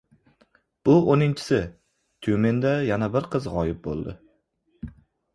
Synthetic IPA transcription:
b̥ʊonɪnt͡ʃʰɪ̥sɪ | t̪ʰjumend̪ajanabɪɾqʰɨzʁɒjɪp̚bo̰lˠd̪ɪ̰

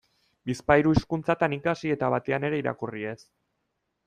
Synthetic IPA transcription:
bispajɾuiskunt͡sat̪anikasie̞t̪aβat̪e̞ane̞ɾe̞iɾa̰kurie̞s

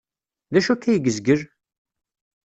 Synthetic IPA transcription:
ðæʃukːæjɡəzɡəɾ

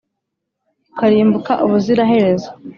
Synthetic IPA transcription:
kaɾiːmbukaʔuβuziɾaɦe̞ɾe̞zo

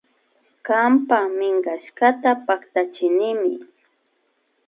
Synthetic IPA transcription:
kampamɪŋɢaʃkat̪apakt̪at͡ʃɪnɪmɪ

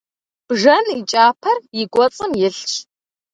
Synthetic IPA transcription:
b̥ʐɐnit͡ʃʼaːpʰɐrjɪɡʷɔt͡sʼɨmjɪɬt͡ʃʰ

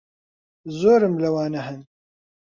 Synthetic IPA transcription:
zoːɾɨmlɐwɑːnɐɦɛn

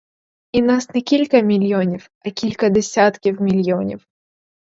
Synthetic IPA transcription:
ɪnasnʲɪkʲilʲkəmʲɪlʲjonʲɪf | ɐkʲilʲkəd̪ʲɪsʲat̪kʲɪfmʲɪlʲjɪonʲɪ̰f

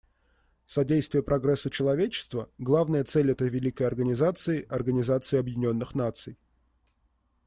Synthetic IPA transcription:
sɐdʲejst̪vʲɪjəpɾɐɡɾɛsːət͡ɕɪlˠɐvʲet͡ɕɪ̥st̪vəɡlˠavnəjət̪sɛlʲɛt̪əjvʲɪlʲikəjɐrɡənʲɪzat̪sɨɪʔɐrɡənʲɪzat̪sɨɪɐbjɪdʲɪnʲo̞nːɨxnat̪sɨj

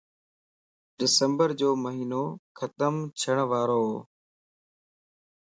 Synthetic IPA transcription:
ɖɪsəmbəɾd͡ʑoːməɦiːnoːkʰət̪əmt͡ʃʰəɽ̃ʋaːɾoːɦoː

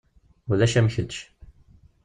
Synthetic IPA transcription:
uðæʃæmçəd̪ʃ

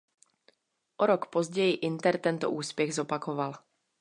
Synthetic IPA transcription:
ʔoɾokpozɟɛjɪʔɪnt̪ɛɾt̪ɛnt̪o̰ʔuːspjɛɣzopakoval

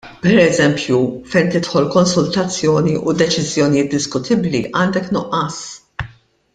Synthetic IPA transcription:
pɛɾɛzɛmpjufɛjnt̪ɪt̪ħɔlkɔnsʊlt̪ɐt͡sːjɔːniʔud̪ɛt͡ʃɪzjɔnijɪːt̪̚d̪ɪskʊt̪ʰɪbliʔɐːnd̪ɛknʊʔɐːs

